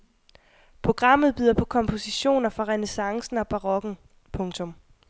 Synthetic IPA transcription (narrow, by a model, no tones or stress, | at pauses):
pʰʁo̝ɡ̥ʁɑ̈m̰ð̞̩ˠb̥yːð̰ˠɐpʰɒ̽kʰɒ̽mpʰo̝siɕo̝̰ːnɐfʁɑ̈ʁɛnesɑ̈ŋsn̩ɒb̥ɑ̈ʁɒ̽ɡ̥n̩ | pʰɔ̽ŋt͡sʰɔ̽m